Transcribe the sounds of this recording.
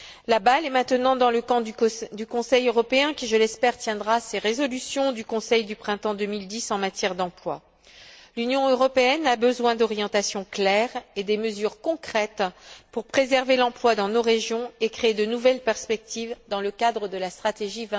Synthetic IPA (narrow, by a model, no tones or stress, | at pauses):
labalɛmɛ̃t̪ənɑ̃d̪ɑ̃ləkɑ̃d̪ykɔ̃sɛjøʁɔpeɛ̃kʲiʒəlɛspɛʁt̪jɛ̃d̪ʁaseʁezɔlysjɔ̃d̪ykɔ̃sɛjd̪ypχɛ̃t̪ɑ̃d̪əmild̪isɑ̃mat̪jɛʁd̪ɑ̃plwa̰ | lynjɔ̃øʁɔpeɛnabəzwɛ̃d̪ɔʁjɑ̃t̪asjɔ̃klɛʁed̪ɛməzyʁkɔ̃kχɛt̪puʁpχezɛʁvelɑ̃plwad̪ɑ̃noʁeʒjɔ̃ekχeːd̪ənuvɛlpɛʁspɛk̚t̪ivd̪ɑ̃ləkad̪ʁəd̪əlast̪χat̪eʒivɛ̃